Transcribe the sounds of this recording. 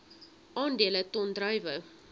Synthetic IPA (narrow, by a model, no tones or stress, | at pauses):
ʔɑːndiələtɔndrœjvə